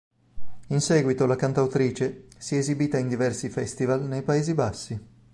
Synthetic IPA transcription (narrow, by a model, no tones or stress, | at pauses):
insɛːɡwit̪olakant̪awt̪ɾiːt͡ʃesiezibiːt̪aind̪ivɛrsifɛst̪ivalnejpaeːzibasːi